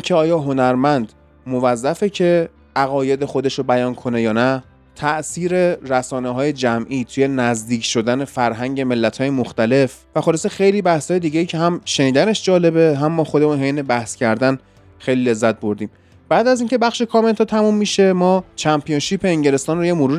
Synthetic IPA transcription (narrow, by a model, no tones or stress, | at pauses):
icʰeɒːjɒːɦo̞næɾmænd̪ | mo̞væzːæfecʰe̞ | ʔæɣɒːje̞d̪exo̞d̪e̞ʃɾobæjɒːnkʰo̞ne̞jɒːnæ | t̪ʰæʔsiːɾeɾæsɒːneɦɒːje̞d͡ʒæmʔiːt̪ʰuje̞næzd̪iːcʰʃo̞d̪æne̞fæɾɦæɲɟe̞me̞lːæt̪ʰhɒːje̞moxt̪æle̞f | væxolesexe̞jliːbæhshɒːjed̪iːɟejiːcʰeɦæmʃe̞niːd̪æne̞ʃd͡ʒɒːle̞beɦæmːɒːxod̪e̞munɦejnebæhscʰæɾd̪æn | xe̞jliːle̞zːæt̪̚boɾd̪iːm | b̥æːd̪æziŋcʰe̞bæxʃe̞kʰɒːme̞nt̪ʰɒːt̪ʰæmumːiʃe̞mɒːt͡ʃʰæmpʰijonʃiːpʰeːɲɟe̞le̞st̪ɒːnrojemoɾuːɾ